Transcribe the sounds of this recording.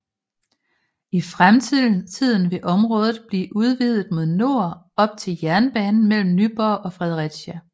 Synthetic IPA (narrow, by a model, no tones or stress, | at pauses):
ifʁamt͡sʰið̰ˠn̩t͡sʰið̞̰ˠn̩ʋe̝ʔɒ̽mʁɔ̽ːð̞ˠð̩ˠb̥liːʔuð̞ˠʋiðˠð̩ˠmo̝ð̞ˠno̝ɐ | ɒ̽b̥̚t͡sʰe̝ljæɐnb̥ɛːnn̩mel̰m̩nyb̥ɒʔɒ̽fʁɛðˠʁiɡ̥ɕæ